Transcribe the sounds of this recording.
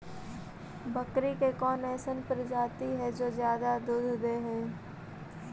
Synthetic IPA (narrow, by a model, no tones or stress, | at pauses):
bəkɾikekɔːnɛːsənpəɾd͡ʒaːt̪iɦɛd͡ʒoːzjaːd̪ad̪ʊd̪ʱd̪eːɦɛː